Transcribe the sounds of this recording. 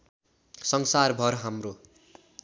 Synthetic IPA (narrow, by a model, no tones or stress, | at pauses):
sʌŋsarbʱʌrɦamro